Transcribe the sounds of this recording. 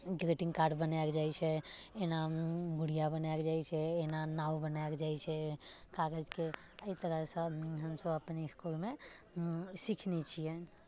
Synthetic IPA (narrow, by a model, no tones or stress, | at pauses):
ɡɾeʈĩŋɡkaɾɖbənaekd͡ʒajt͡ʃʰɛenaɡuɽijabənaekd͡ʒajt͡ʃʰɛːnanaubənaekd͡ʒajt͡ʃʰɛkaɡəd͡ʒke | əit̪əɾəsə̃ɦəmsəbəpniskulme | sikʰnɛt͡ʃʰijɛn